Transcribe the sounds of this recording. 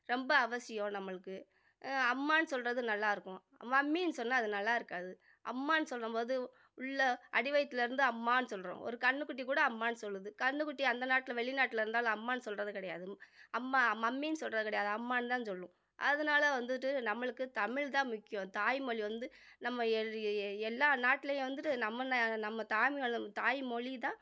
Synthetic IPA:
ɾɛmbɐɐʋɐsɪjõnɐmːɐɭɯkːɯ | ɐmːaːnsɔlrɐðɯnɐlːaːɪɾɯkːʊ̰̃ | mːɐɐmːinɯsɔnːaːɐðɯnɐlːaːɪɾɯkːaːðɯ | ʔɐ̰mːaːnɯsɔlrɐmboːðɯ | ʊɭːɐʔɐɽɪʋɐjt̪ːɪlɪɾɯnd̪ɯɐmːaːnɯsɔlɾõ̰ːʔɔ̰ɾɯkɐɳːɯkːʊʈ̬ːikuːɽɐːmːaːnsɔlːɯðɯkɐɳːɯkːʊʈːiɐnd̪ɐnaːʈːɪlɐʋɛɭɪnaːʈːɪlɪɾɯnd̪aːlʊ̃ɐmːaːnɯsɔlrɐðɯkɪɽɐjaːðɯɐmːaːmɐmːinɯsɔlrɐðɯkːɪɽɐjaːðɯɐmːaːnt̪aːnɯsɔlːʊ̃ | ʔɐ̰ðɐnaːlɐʋɐnd̪ɯʈːɯnɐmːɐɭɯkːɯt̪ɐmɪɭt̪ãːmʊkːɪjʊ̃t̪aːjmɔɭiʋɐnd̪ɯnɐmːɐ | ɛlːaːnaːʈːɪlɐjʊ̃ʋɐnd̪ɯʈːɯnɐmːɐnnɐmːɐt̪aːmɪɐt̪aːjmɔɭit̪ãː

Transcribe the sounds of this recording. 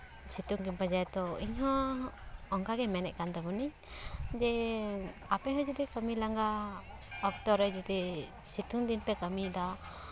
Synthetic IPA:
sit̪uŋkimpad͡ʒaɛt̪ɔiɲɦɔ̃ | ɔŋkaɡɛmɛnɛʔ̚kant̪ɛbuniɲ | d͡ʒɛ | apɛɦɔd͡ʒud̪ikəmilaŋɡa | ɔk̚t̪ɔɾəd͡ʒud̪i | sit̪uŋd̪inpɛkəmid̪a

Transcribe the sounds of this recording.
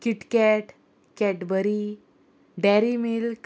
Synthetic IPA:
kiʈkɛʈ | kɛʈbəɾi | ɖɛɾimilk

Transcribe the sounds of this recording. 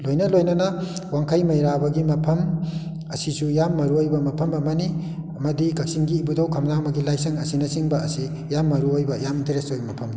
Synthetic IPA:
lojnɐlojnɐnɐwaŋkʰɐjmɐjɾabɐɡimɐpʰɐm | ɐsisujamːɐɾuojbɐmɐpʰɐmɐmɐni | mɐdikʰɐk̚siŋɡiːbudawkʰɐmnamɐɡilajsɐŋɐsinɐsiŋbɐɐsi | jamːɐɾuojbɐjaminteɾesojmɐpʰɐmni

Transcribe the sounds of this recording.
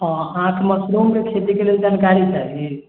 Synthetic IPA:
ɔ̃ɦãkeməsɾumkekʰet̪ikeleld͡ʒankaɾit͡ʃaɦie

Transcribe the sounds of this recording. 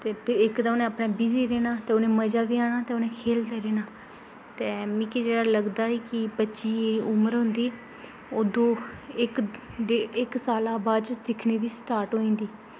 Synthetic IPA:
t̪eːpʰɪɾɪkd̪aːʊnẽapneːbiziːɾeːnaːt̪eːonẽːməd͡ʒaːʋiːaːɽ̃aːt̪eːʊnẽːkʰeːld̪eːɾeːnaː | t̪eːmĩːkid͡ʒeːɽaːləɡd̪aːiːkɪbətːʃẽːeːɾiːʔʊməɾɦʊ̃nd̪iː | oːd̪õːɪkɖeːɪksaːlaːbaːd̪t͡ʃsɪkʰneːd̪iːsʈaːɾʈɦoːĩːnd̪iː

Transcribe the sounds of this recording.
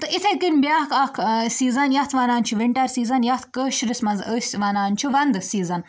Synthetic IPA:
t̪ɨʔit̪ʰekɨnʲbjaːkɐkʰsiːzɐnjɐt̪ʰʋaːnaːnt͡ʃʰuʋiɳʈɐɾsiːzɐnjɐt̪ʰkəʃɾisʲmɐnzəsʲʋaːnaːnt͡ʃʰuʋɐnd̪siːzɐn

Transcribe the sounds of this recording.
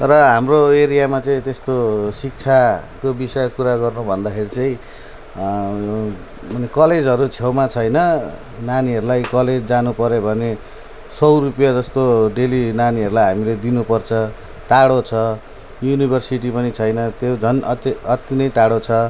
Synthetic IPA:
rʌɦamroeɾijamat͡saĩt̪est̪osik̚t͡sʰakobisʌjkuɾaɡʌrnubʱʌnd̪akʰeɾit͡saĩ | ʌnekʌled͡zɦʌɾut͡sʰewmat͡sʰʌjnʌ | naniɦʌɾulajkʌled͡zd͡zanupʌɾebʱʌne | sʌwɾupjad͡zʌst̪oɖelinaniɦʌɾulajɦamiled̪inupʌrt͡sʰʌ | ʈaɽot͡sʰʌ | junibʱʌrsiʈ̬ipʌnit͡sʰʌjnʌt̪jod͡zʱʌnʌʌt̪inʌjʈaɽot͡sʰʌ

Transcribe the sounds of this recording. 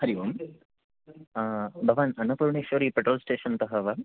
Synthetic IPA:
hɐɾiʋum | abʱɐʋaːnɐnɐpuɾɳiʃoɾipeʈɾoːlsʈeːʃɐnt̪ɐɦɐʋɐ

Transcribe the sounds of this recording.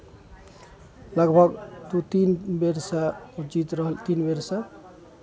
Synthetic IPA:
ləɡbʱəɡt̪ut̪inbeɾsəud͡ʒit̪ɾəɦəlt̪inbeɾsə̃

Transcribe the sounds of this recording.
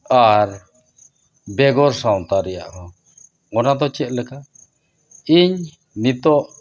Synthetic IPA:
aɾ | bɛɡɔɾsawt̪aɾɛja̰ʔɔ | ɔnad̪ɔt͡ʃɛt̪̚lɛka | iɲ | nit̪ɔʔ

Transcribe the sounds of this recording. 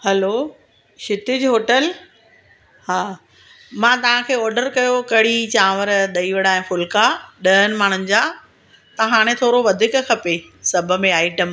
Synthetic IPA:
hɛlo | ʃɪt̪ɪd͡ʑɦoːʈəl | haː | mãːt̪ɐʋ̤ãkʰeːɔːɾɖəɾkɐjokɐɽit͡ɕãːʋəɾɗ̪ɐiːʋəɽaːɦɪ̃fʊlkaɗɐɦənɪ̆maːɳ̤ʊnɪ̆d͡ʑaː | t̪ɐɦaːɽ̃ẽt̪ʰoːɾoʋɐd̪ʱɪkkʰɐpe | sɐb̆ʱmẽaːiʈəm

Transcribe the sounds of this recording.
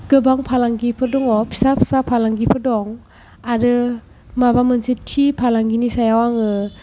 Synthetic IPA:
ɡ̥ɯbaŋpʰalaŋɡipʰɯdɔŋɔpʰi̥sapʰsapʰalaŋɡipʰɯdɔŋ | aɾɯ | mabamɯnsitʰːipʰalaŋɡinisajawaŋɯ

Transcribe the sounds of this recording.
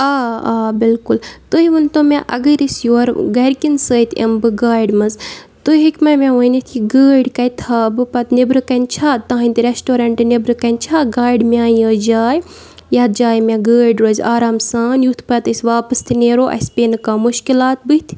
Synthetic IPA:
aːaːbɪlkʊlt̪oiʋɨnt̪omẽʔɐ̰ɡəɾisjoːɾɡɐɾkinsəːt̪ʰɐ̰mbɨɡaːɖmɐzt̪oɦikmɐmẽʋoːjnit̪ʰiɡəːɖkɐjt̪ʰaːbɨpɐt̪nibɾɨkɐnt͡ʃʰaːt̪ãːinʲt̪iɾesʈoːɾɐɳʈɨnibɾɨkɐnt͡ʃʰaːɡaːjɖmʲaːjəːd͡ʒaːj | jaːt̪̚d͡ʒaːjmẽɡəːɾɖɾoːzʲaːɾaːmsãːnjut̪ʰpɐt̪əsʋaːpɨst̪ʰineːɾoːʔɐ̰speːnkaːmuʃkilaːt̪̚bɨt̪ʰ

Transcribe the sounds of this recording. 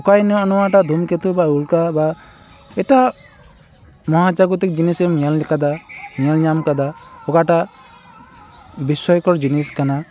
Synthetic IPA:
ɔkajnɔɔnɔwaʈad̪ʱumkɛt̪ubaulkaba | ɛʈa | mɔɦat͡ʃaɡɔt̪ɛk̚d͡ʒinisɛmijalɛkad̪amijalɲamkad̪aɔkaʈa | bisɔjkɔɾd͡ʒiniskana

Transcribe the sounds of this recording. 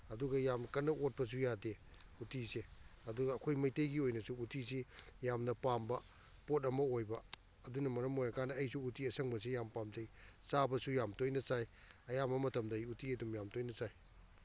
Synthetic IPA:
ɐduɡɐjamkɐnːɐot̚pɐs̬ujade | utiseɐduɡɐːkʰojmɐjtejɡiojnɐsuːtis̬ijamnɐpambɐ | pot̬ɐmɐojbɐ | ɐdunɐmɐɾɐmoɾakanɐːjsuːtiɐsʰɐŋbɐs̬ijampamtejsabɐsujamtojnɐsajɐjamɐmɐtʰɐmdɐjutiɐdumjamtojnɐsaj

